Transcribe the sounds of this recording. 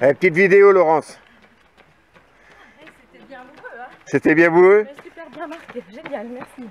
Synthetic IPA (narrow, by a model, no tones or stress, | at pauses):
ɛpət̪it̪vid̪eolɔʁɑ̃s | set̪ɛbjɛ̃buø | ɛsi